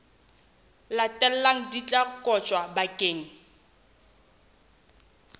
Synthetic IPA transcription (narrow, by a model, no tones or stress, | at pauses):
latʼɛl̩laŋ̩dit͡ɬʼakʼɔt͡ʃʼwabakʼeːŋ̩